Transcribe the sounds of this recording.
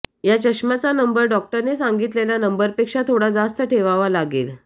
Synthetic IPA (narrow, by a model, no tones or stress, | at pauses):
jat͡ɕəɕmat͡sanəmbəɾɖɔk̚ʈəɾnesãŋɡit̪lelanəmbəɾpekʂat̪ʰoɽad͡zast̪əʈʰeʋaʋalaɡiːl